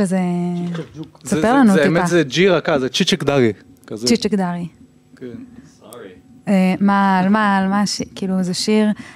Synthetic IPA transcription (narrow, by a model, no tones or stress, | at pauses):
ʃeze | sapeʁlanuimazed͡ʒiʁakazet͡ʃit͡ʃekdaʁi | t͡ʃit͡ʃekd̪aʁi | k | emaːlmaːlmaʃikiːluezeʃiʁ